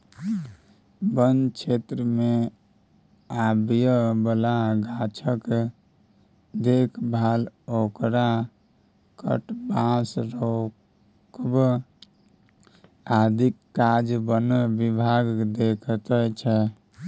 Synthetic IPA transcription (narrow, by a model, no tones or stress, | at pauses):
bənt͡ʃʰet̪ɾəme | abjəbəlaɡat͡ʃʰək | d̪ekʰbʱalokɾa | kə̰ʈbãsɾo | kb | ad̪ʱikːad͡ʒbənbibʱaɡd̪ekʰt̪ət͡ʃʰɛ